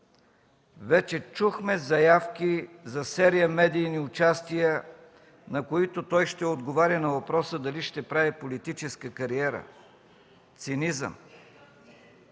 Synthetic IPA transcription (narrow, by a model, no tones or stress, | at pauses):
vɛt͡ʃɛt͡ʃuxmɛzɐjafkʲizɐsɛɾijəmɛd̪iːniʊt͡ʃast̪ijə | nɐkoit̪ot̪ɔjʃt̪ɛod̪ɡovaɾʲənɐvɐpɾɔsəd̪ɐliʃt̪ɛpɾavɛpolit̪it͡ʃɛskəkɐɾiɛɾə̰ | t̪sinizə̰m